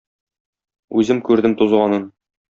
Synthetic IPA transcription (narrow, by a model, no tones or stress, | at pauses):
ʉzɘmkʉɾd̪ɘmt̪uzʁɑnɤn